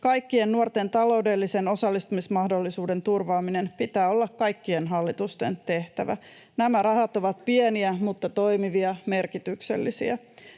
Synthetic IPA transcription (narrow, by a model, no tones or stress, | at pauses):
kɑjkːienːuo̞rt̪e̞nt̪ɑlo̞ude̞lːise̞no̞sɑlːist̪umismɑhdo̞lːisuːde̞nt̪urʋɑːminenpit̪æːo̞lːɑkkɑjkːie̞nɦɑlːit̪ust̪e̞̰nt̪e̞ht̪æʋæ̰ | næmæɾɑhɑt̪o̞ʋɑt̪pie̞niæmut̪ːɑt̪o̞jmiʋiɑme̞rkit̪ykse̞̰lːisḭæ